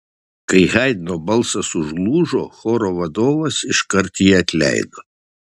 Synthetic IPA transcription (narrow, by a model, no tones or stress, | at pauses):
kɐɪɣɛɪd̪ʲɪnoːbɐlˠsɐsʊʒlˠuːʒoːxoːɾoːʋɐd̪oːʋɐsɪʃkɐɾt̪jiːɐt̪ʲlʲæ̰ɪd̪oː